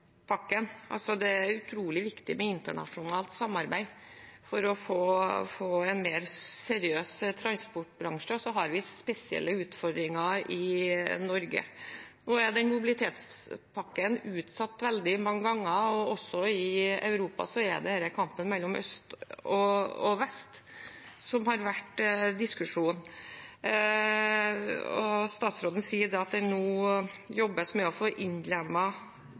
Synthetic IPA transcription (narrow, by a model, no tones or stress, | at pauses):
pʰɑkːənʔɑ̰lsɔd̪ɛæɾʉt̪ʰɾuːlɪʋɪkt̪ɪmɛɪnt̪əɳɑ̰ʂʊnɑːlt̪sɑmːɑɾbæɪfɔɾɔfoːfoːɛɪnmeːɾsɛɾɪøːst̪ʰɾɑnspɔʈːbɾɑŋʂəɔsɔɦɑɾʋɪspɛsɪɛ̰lːəʉːt̪fɔɾd̪ɾɪŋɑɪnɔɾɡə̰noːæɖɛnmʊbɪlɪt̪ʰeːt̪spʰɑkːənʉːt̪sɑt̪ːʋɛld̪ɪmɑŋːəɡɑŋːəɔɔsːɔɪɑ̰ʉɾuːpɑ̰sɔɛ̰d̪ɛhæːɾəkʰɑmpənmɛlːɔmœ̰st̪ɔɔʋɛst̪ | sɔmhɑɾʋæʈd̪ɪskʉʂuːn | ɔ̰st̪ɑːt̪sɾoːd̪ən̩siːəɖ̪ɛɑt̪̚d̪ɛnuːjɔbːəsmɛɔfoːʔɪnd̪lɛmɑ